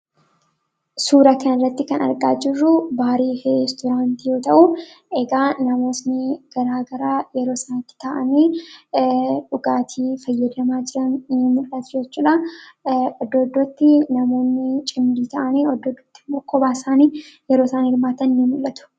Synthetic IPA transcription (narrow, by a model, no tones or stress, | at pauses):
suːɾɐkɐnɪrːɐt̪ːɪkɐnɐ̰ɾɡaːd͡ʒɪrːʊbaːɾiːhest̪ɔɾaːnt̪ijo̞ːt̪ɐʔʊ | ʔɛɡaːnɐmo̞ːsnɪɡ̥ɐɾaːɡɐɾaːjɛɾo̞ːsɐnɐt̪ːɪ̥t̪aʔɐniː | ᶑʊɡaːt̪ʰiːfɐjːɐd̪ɐmaːd͡ʒɪɾɐnːɪmʊlːɐt̪ʊ̥d͡ʒɛt͡ʃːuːᶑɐ | ɔd̪ːoːd̪ːɔt̪ːɪnɐmo̞ːnːɪt͡ʃʼɪmdiːt̪ɐʔɐniːɔd̪ːɔːd̪ːo̥t̪ːɪmːoːkːɔbaːsaːniːjɛɾo̞ːsɐnːɪɾmaːt̪ɐnnɪmʊlːɐt̪ʊ̥